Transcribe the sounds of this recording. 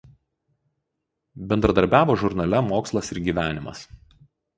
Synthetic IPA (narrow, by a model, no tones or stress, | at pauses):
bʲɛnd̪ɾɐd̪ɐɾʲbʲæːʋoːʒʊɾnɐlʲɛmoːkslˠɐsɪɾɡʲiːʋʲæːnʲɪmɐ̰s